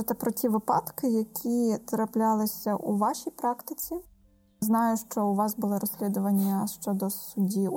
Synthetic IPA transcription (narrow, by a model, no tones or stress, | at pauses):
ɪt̪ɛpɾɔtʲiʋɪpɑt̪kɪjɐkʲʰit̪ɾɐplʲɑlˠɪsʲɐʔuʋɑʃʲijpɾɑkt̪ɪt͡sʲi | znɑjʊʃt͡ʃɔʊʋɑsbʊlˠɪɾɔsʲlʲid̪ʊʋɐnʲːɐʃt͡ʃɔd̪ɔsʊdʲi